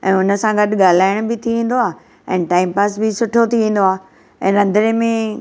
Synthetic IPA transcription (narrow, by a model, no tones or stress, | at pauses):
ɛ̰̃ːʊnə̆sãɡɐɗɡaːl̤aːɪɽ̃ʊbɪt̪ʰiʋẽːn̆d̪oaː | ɛ̃ːʈaːɪmpaːsbɪsʊʈʰot̪ʰiʋẽːn̆d̪oaː | ɛ̃ːɾɐ̃nd̪ʱəɾẽmẽ